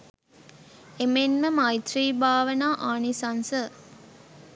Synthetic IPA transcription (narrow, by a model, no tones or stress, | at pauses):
emenməmajt̪riːbaːʋənaːʔaːnisansə